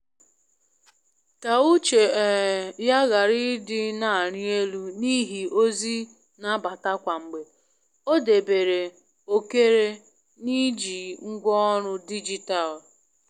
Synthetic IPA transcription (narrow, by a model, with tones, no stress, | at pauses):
ta˨u˦t͡ʃe˨ja˦ɣa˨ɾɪ˦dɪ˦na˨ɾɪ˦e˦lu˦ni˦ɦi˨o˦zi˦ | na˦ba˨ta˦kʷa˨ŋ͡m̩˨ɡ͡be˨ | o˦de˨be˨ɾe˨ | o˦ke˦ɾe˦ | ni˦d͡ʒi˨ŋ̩˦ɡʷɔ˦ɾʊ˦di˦d͡ʒi˨ta˨l